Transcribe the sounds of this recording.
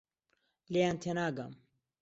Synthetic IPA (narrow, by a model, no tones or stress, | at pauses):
leant̪ʰenaːɡɐ̰m